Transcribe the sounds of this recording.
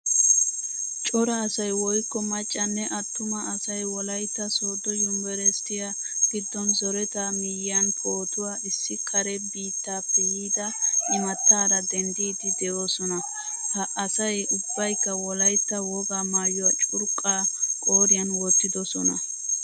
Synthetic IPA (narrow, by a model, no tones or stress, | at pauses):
t͡ʃʼɔɾɐːsɐjwɔjkːɔmɐt͡ʃʼːɐnːɛʔɐt̪ːʊmɐːsɐjwɔlɐjt̪ːɐsoːd̪ɔjʊmbɛɾɛst̪ɪja | ɡ̥ɪd̪ːɔnzɔɾɛt̪amɪjɐnpʰʼoːt̪ʊwaːɪsːɪkʰɐɾɛbiːt̪ːaːpːɛjiːd̪ɐʔɪmɐt̪ːaːɾɐd̪ɛnd̪iːd̪ɪd̪ɛʔosɔnɐ | hɐʔɐsɐjʊbːɐjkːɐwɔlɐjt̪ːɐwɔɡaːmaːjɔwɐt͡ʃʼʊɾkʼːaːkʼoːɾɪjɐnwɔt̪ːɪd̪ɔsɔnɐ̰